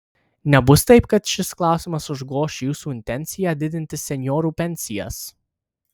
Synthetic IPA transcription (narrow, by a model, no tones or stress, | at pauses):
nʲɛbʊst̪ɐɪpkɐt̪ʃʲɪsklˠɑˑʊsʲɪmɐsʊʒɡoːʃjuːsuːɪnʲt̪ʲɛnʲt̪sʲɪjæːd̪ʲɪd̪ʲɪnʲt̪ʲɪsʲɛnʲjɔːɾuːpʲɛnʲsʲɪjɛ̰s